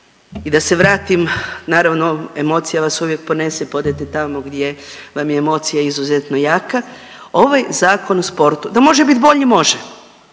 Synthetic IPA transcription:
id̪ase̞ʋɾaːt̪imnaːɾaʋnoe̞mo̞t̪sijaʋasuʋje̞k̚po̞ne̞sepo̞d̪et̪et̪amoɡd̪je̞ʋamjeemo̞ːt̪sijaizuzet̪no̞jaːka | o̞ʋajzaːkʰo̞nuspo̞ɾt̪ud̪amo̞ʒebit̪bo̞ʎimo̞ʒe

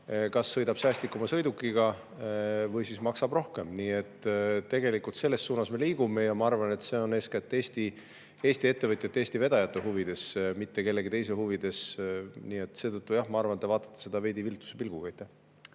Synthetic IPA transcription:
kɑsːɤ̞jd̪ɑb̥sæːst̪likːˑumɑsɤ̞jd̪ukːˑiɡɑ | vɤjsismɑksɑbro̞hke̞mniːe̞t̪ːt̪ːe̞ɡe̞likult̪se̞lːe̞stːuːnɑsme̞liːɡume̞jɑmɑɑrvɑne̞t̪ːse̞o̞ne̞skæt̪ːˑeːst̪i | e̞ːsʲt̪ie̞t̪ːevɤt̪ʲˑjɑt̪ːeːsʲt̪ive̞d̪̥ɑjɑt̪ːeɦuvid̪̥e̞smit̪ːe̞ke̞lːe̞ɡit̪e̞js̬ehuvid̪̥e̞sniːe̞t̪se̞ːt̪ɤt̪ːujɑhmɑɑrvɑnt̪ːvɑːt̪ːˑɑ̥t̪ːˑese̞d̪̥ɑve̞ːd̪ivilt̪ːˑu̥sepilɡ̥ukɑjt̪ːˑe

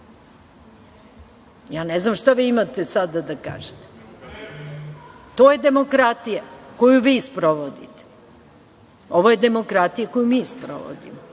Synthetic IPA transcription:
jaːneznamʃt̪aʋiːimat̪esad̪ad̪aka̰ːʒet̪e̥ | t̪oːje̞d̪e̞mo̞kɾat̪ijako̞juʋiːspɾoʋod̪ḭt̪e̥ | oʋoje̞d̪e̞mo̞kɾat̪ijako̞jumiːspɾo̰ʋo̰d̪ḭmo

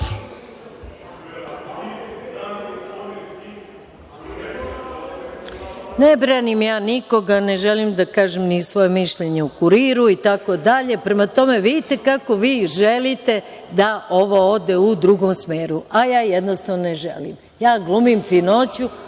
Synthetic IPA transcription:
nebɾanimjaːnikoɡane̞ʒelimd̪akaːʒemnisʋo̞jemiʃʎeɲeukuɾiːɾuit̪ako̞d̪aʎe̞pɾe̞mat̪o̞me̞ʋid̪it̪e̞kako̞ʋiːʒelit̪e̞ | d̪aʔoʋood̪eud̪ɾuɡomsmeːɾuajaːjed̪nost̪aʋnoneʒḛlḭm | jaːɡlumimfino̞ːt͡ɕu

